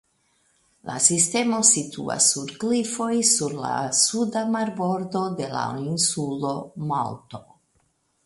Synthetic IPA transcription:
la̰sist̪e̞mo̞sit̪ʰṵa̰sːuɾɡlifo̞jsuɾla̰sud̪amaɾbo̞ɾd̪o̞d̪e̞la̰insulo̞ma̰lt̪o̞

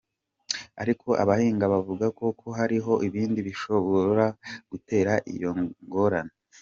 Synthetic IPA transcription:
a̰ɾikʰo̞ʔa̰βahiːŋɡaβavuɡako̞kʰo̞ɦaɾiɦo̞ʔiβiːndiβiʃo̞βoɾaɡ̥ute̞ːɾaʔḭjo̞ŋɡo̞ɾana

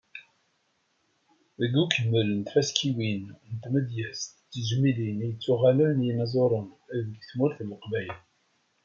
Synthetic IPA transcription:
ðəɡːukəmːəlnt̪fæskʰiwinnt̪məd̪jæst̪t͡sːəʒmilinijət͡sːuʁælənjinɑzˤoɾˤənæðəɡθmʊɾθəlːəqbæjən

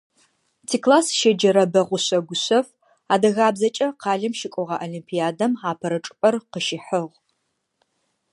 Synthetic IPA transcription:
tʰiːklaːsʃɐd͡ʒɐɾɐbɐʁʷʊɕɐɡʷʊɕɐf | aːdɐɣaːbzɐt͡ʃʼɐqɑːɮɐmʃɪkʷʼɔʁɐʔolimpʰijaːdɐmaːpʰɐɾɐʈ͡ʂʼɨpʼɐrqəʃɪħəʁ

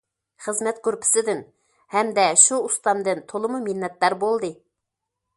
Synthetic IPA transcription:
χəzmɛt̪kʰøɾpʰɪ̥sɪd̪ɪn | hɛmd̪ɛʃuust̪ɑnd̪ɨnt̪ʰolˠɨmuminːɛt̪lɑɾbolˠd̪ɨ

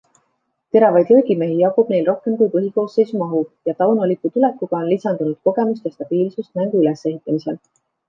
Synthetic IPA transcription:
t̪e̞ɾɑvɑjd̪ɾɤːɡime̞ɦijɑkub̥ne̞jlro̞hke̞mkujpɤɦiko̞ːsːe̞jsumɑɦujɑt̪ɑwnulikːˑut̪ule̞kːˑuɡ̥ɑo̞nlisɑnd̪unud̪̥ko̞ɡe̞must̪jɑst̪ɑb̥iːlsust̪̚næŋɡ̥uylese̞ɦit̪ːˑɑmise̞l

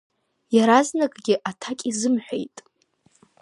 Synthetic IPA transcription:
jaɾaznakʼɡʲɪʔatʰakʲʼizɨmħʷᶣḛjtʼ

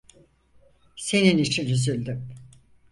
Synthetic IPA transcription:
se̞ninit͡ʃʰinyzylʲd̪y

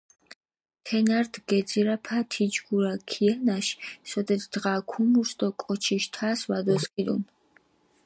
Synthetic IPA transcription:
t̪ʰɛnaɾd̪ɡɛd̪ziɾapʰat̪ʰid͡ʒɡuɾakʰianaʃsɔd̪ɛd̪d̪ʁaːkʰumuɾsd̪ɔkʼɔt͡ʃʰiʃt̪ʰasvad̪ɔskʼid̪ṵn

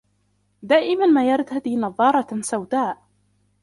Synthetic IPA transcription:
d̪aːʔɪmanmaːjɑɾˤt̪ad̪iːnɑðˤːɑːɾˤɑsawd̪aːʔ

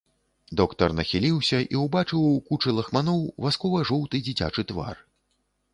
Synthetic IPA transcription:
d̪ɔkt̪ɐrnɐxʲilʲiwsʲɐʔḭwbat͡ʂɨwkut͡ʂɨlˠɐxmanɔwvaskɔvɐʐɔwt̪ɨd͡zʲit͡sʲa̰t͡ʂɨt̪va̰r

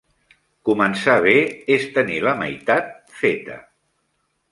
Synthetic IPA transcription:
kumənsaβeest̪əniləma̰jt̪at̪̚fet̪ə̰

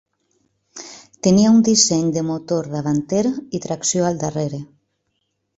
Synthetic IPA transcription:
t̪eniaund̪isɛɲd̪emot̪oɾðaβant̪eɾit̪ɾaksjoald̪areɾe

